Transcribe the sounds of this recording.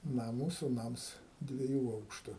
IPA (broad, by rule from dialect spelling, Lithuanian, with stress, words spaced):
ˈnɐ ˈmuːsuː ˈnɐms dʲʋʲiɛˈjuː ˈɐʊkʃtʊ